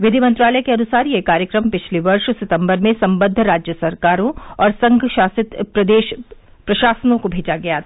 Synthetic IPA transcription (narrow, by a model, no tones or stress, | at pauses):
ʋɪd̪ʱimɐ̃nt̪ɾaːlɛkeɐnʊsaːɾiekaːɾjəkɾəmpɪt͡ʃʰleʋɐɾʃsɪt̪ə̃mbəɾmẽsɐ̃mbə̃d̪ʱːɾaːd͡ʒjəsɐɾkaːɾõɔːɾsɐ̃ŋɡʱʃaːsɪt̪pɾɐd̪eːʃ | pɾɐʃaːsənõkobʱeːd͡ʒaɡɐja